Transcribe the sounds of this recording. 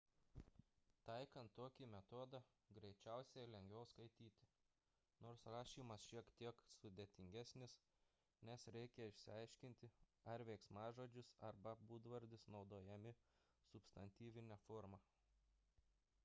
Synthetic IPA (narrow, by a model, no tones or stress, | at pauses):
t̪ɐɪkɐnt̪ːoːkʲimʲɛt̪oːd̪ɑ | ɡɾʲɛɪt͡ʃʲɛˑʊsʲɛɪlʲɛŋʲɡʲʋʲɛʊskɐɪt̪ʲiːt̪ʲɪ̥ | noːɾsɾɑːʃʲiːmɐsʃʲiɛkt̪ʲiɛksʊd̪ʲeːt̪ʲɪŋʲɡʲæsʲnʲɪs | nʲɛsɾʲɛɪkʲɛɪʃʲsʲɪɐɪʃʲkʲɪnʲt̪ʲɪɐɾʋʲɛɪksmɑːʒoːd͡ʒʲʊsɐɾbɐbuːd̪ʋɐɾʲd̪ʲɪsnɒʊd̪oːjɛmʲɪ | sʊpst̪ɐnʲt̪ʲiːʋʲɪnʲɛfoːɾmɑ